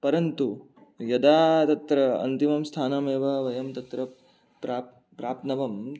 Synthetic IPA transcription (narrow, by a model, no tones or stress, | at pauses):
pɐɾɐnt̪u | jɐd̪aːt̪ɐt̪ɾɐɐ̰nt̪imɐmst̪ʰaːnameːʋɐʋɐjɐmt̪ɐt̪ɾɐ | pɾaː | pɾaːp̚t̪nɐʋɐm